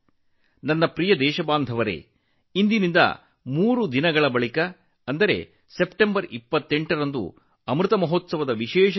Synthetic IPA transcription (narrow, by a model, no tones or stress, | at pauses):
nɐnːɐpɾijɐd̪ɛːʃɐbaːnd̪ʱɐʋɐɾḛː | ind̪inind̪ɐ̰ | muːɾud̪inɐɡɐɭɐbɐɭikɐː | nd̪ɐɾe̞̰ | se̞pʈembɐɾipːɐt̪ːeɳʈɐɾɐnd̪ṵ | ɐmɾut̪ɐmɐɦot̪sɐʋɐd̪ɐʋiʃɛːʃɐ